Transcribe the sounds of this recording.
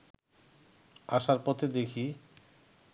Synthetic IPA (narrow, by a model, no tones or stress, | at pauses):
aʃaɾpɔt̪ʰed̪ekʰi